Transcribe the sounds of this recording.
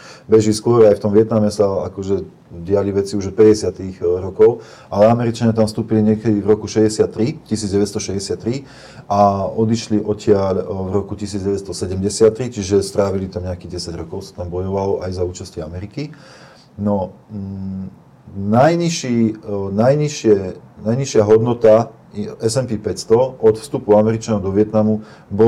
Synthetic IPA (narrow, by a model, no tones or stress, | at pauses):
bɛʒiskʊɔɾajft̪ɔmʋɪɛt̪namɛsaakɔʒɛ | ɟɪaliʋɛt͡siuʒɔpɛɟɛsɪat̪iɣɾɔkɔʊ | ʔalɛamɛɾit͡ʃaɲat̪amst̪uːpiliɲɪɛkɛd̪ivɾɔkuʃɛɟɛsɪat̪ːɾicisiːdd͡zɟɛʋɛt̪st̪ɔʃɛɟɛsɪat̪ːɾi | ʔaɔd̪iʃliʔɔcɪaʎvɾɔkucisiːd͡zɟɛʋɛt̪st̪ɔsɛɟɛmɟɛsɪat̪ːɾit͡ʃiʒɛst̪ɾaːʋilit̪amɲɛakiɟɛsaɟɾɔkɔʊsḁt̪ambɔjɔʋalɔʔajzauːt͡ʃasciamɛɾiki | nɔ | najɲiʃiːnajɲiʃɪɛnajɲiʃɪaɦɔd̪nɔt̪a | ɛsɛmpiːpɛcst̪ɔɔt̪fst̪upuamɛɾit͡ʃanɔʊd̪ɔʋɪɛt̪namu | bɔ